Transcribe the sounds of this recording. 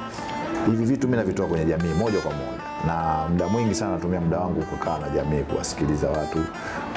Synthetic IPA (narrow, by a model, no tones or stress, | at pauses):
hivivituminavitɔakwɛɲɛʄamiːmɔʄakwamɔ̰ʄanamuɗamwiŋɡisanaatumiamuɗawaŋɡukukʰaːnaʄamiːkṵwa̰si̥kilizawatu